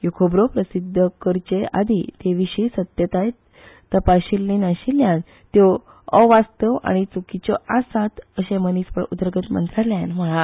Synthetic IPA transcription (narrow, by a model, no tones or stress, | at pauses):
jukʰobɾopɾəsid̪ʱːəkəɾt͡ɕea̰d̪ʱit̪eʋiɕisət̪jət̪aj | t̪əpaɕilːinaɕiljãn | t̪jo | ɔʋast̪əʋa̰ɽ̃it͡sukit͡ɕɔʔasat̪əɕemənispəɭud̪ɾəɡət̪mə̰nt̪ɾaljanʋəɭã